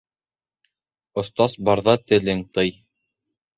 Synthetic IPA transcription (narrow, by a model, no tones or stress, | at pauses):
ŏst̪ɑsbɑɾðɑt̪ɘ̆lɘŋt̪ɤj